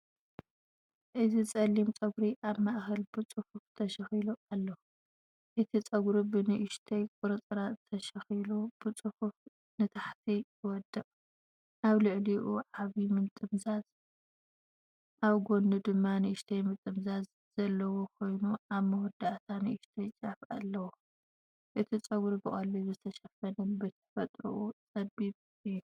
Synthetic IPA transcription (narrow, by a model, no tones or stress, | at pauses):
ʔɨzit͡sʼɐlːimt͡sʼɐɡɾiʔaβmaʔxɐlbɨt͡sʼɨfuft̪ʰɐʃɐxiluʔalːɐu | ʔɨt̪ʰit͡sʼɐɡɾibɨnɨʔɪʃt̪ʰɐjkʼʊɾɨt͡sʼɾat̪ʰɐʃɐxilub̥ɨt͡sʼɨfuf | nɨt̪ʰaħt̪ʰi | wɔd̪ːɐʔʼ | ʔaβlɨʕliʔuʕaβimɨnt̪ʼɨmzaz | ʔaβɡo̞ndɨd̪ɨmːanɨʔɪʃt̪ʰɐjmɨt̪ʼːɨmzaz | z̥ɐlːɐwokʰo̞jnuʔaβmɐwɔd̪aʔt̪ʰanɨʔɪʃt̪ʰɐjt͡ʃʼɐfa̰lːɐwo | ʔɨt̪ʰit͡sʼɐɡuɾbɨχʼɐlːizɨt̪ʰɐʃɐfɐnɐbɨt̪ʰɐ̥fɐt̪ʼɾṵʔut͡sʼɐd̪iβ | ɨju